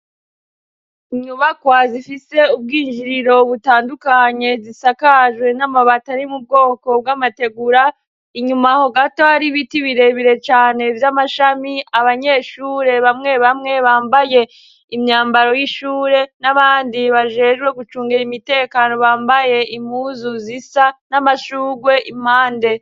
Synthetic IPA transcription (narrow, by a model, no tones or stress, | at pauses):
iɲuβakwazifise̞ub̚ɡiːnd͡ʒiɾiɾo̞βutaːndukaɲe̞zisakaʒwe̞namaβataɾimub̚ɡo̞ːko̞b̚ɡamate̞ɡuɾa | iɲumahoɡato̞haɾiβitiβiɾe̞βiɾe̞t͡ʃaːne̞vjamaʃamiaβaɲe̞ːʃuːɾe̞βamŋe̞βamŋe̞βaːmbaje̞ | imɲaːmbaɾo̞jiʃuːɾe̞naβaːndiβaʒe̞ʒɡwe̞ɡut͡ʃuːŋɡeɾimite̞ːkano̞βaːmbaje̞imhuːzuzisanamaʃuːɡwe̞ʔim̥haːnde̞